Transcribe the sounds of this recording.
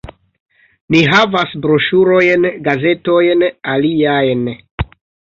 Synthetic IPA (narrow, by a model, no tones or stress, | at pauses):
niɦavasbɾo̞ʃuɾo̞jnɡaze̞to̞jnaliajn